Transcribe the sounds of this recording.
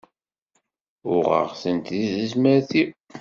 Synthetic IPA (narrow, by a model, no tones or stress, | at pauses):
ʊʁə̰ʁsənt̪ðizəzmæɾθi